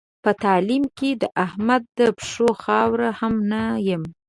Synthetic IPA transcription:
pət̪ɑlimked̪əʔahmad̪ːəpʂoxɑwɾahamnajəm

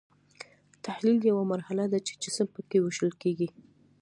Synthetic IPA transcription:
t̪ahliljawamaɾhalad̪at͡ʃe̥d͡ʒɪsəmpəkewɪʃəlkeɡi

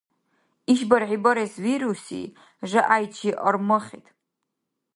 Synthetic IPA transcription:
iʃbaɾʕibaɾesviɾusḭ | ʐɨʔajt͡ʃʰiʔarmɨχʲḭtʼ

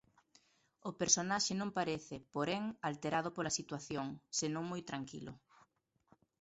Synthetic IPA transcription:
ʊpeɾsonaʃɪnõmpaɾɛθɪpoɾɛŋalt̪eɾað̞ʊpolasit̪waθjoŋsenõŋmojt̪ɾaŋkḭlʊ̰

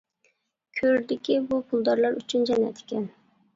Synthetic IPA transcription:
kʲʰøɾd̪ɪkʲibupʰʊlˠd̪ɑɾlˠɑɾyt͡ʃʰynd͡ʒɛnɛ̰t̪ʰɪ̥kʲɛn

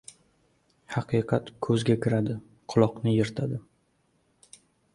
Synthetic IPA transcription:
hɑqʰɨqʰɑt̪kʰɵzɡʲakʲʰɪɾad̪ɪ | qʰʊlˠɒqnɪjeɾt̪ʰad̪ɪ

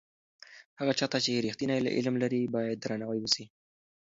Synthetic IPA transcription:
haɣat͡ʃɑt̪at͡ʃeɾixt̪inajla̰ʔɪ̰lmlaɾibɑjad̪̚ːɾanawajwəsi

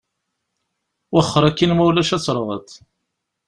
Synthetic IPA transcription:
wəχːəɾˤækːinmæwlæʃæt͡sːɾˤʁə̰t̪

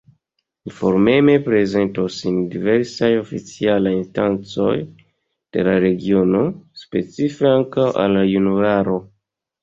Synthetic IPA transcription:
info̞ɾme̞me̞pɾe̞ze̞ntosindive̞ɾsajo̞fit͡sialajinstant͡so̞j | d̥e̞̰laɾe̞ɡio̞no̞spe̞t͡sife̞aŋkawʔa̰lajunuɾaɾo̞

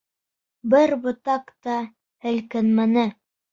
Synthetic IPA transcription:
bɘɾbɤ̆t̪ɑkt̪ɑ | hɘ̆lkɘnmænɘ

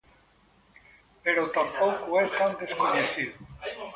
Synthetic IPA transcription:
peɾot̪ampowkuɛt̪and̪eskoɲeθiðu

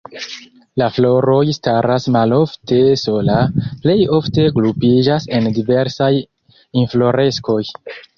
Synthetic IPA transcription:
laflo̞ɾo̞jstaɾasmalo̞fte̞so̞laple̞jo̞fte̞ɡlupid͡ʒase̞ndive̞ɾsaj | inflo̞ɾe̞sko̞j

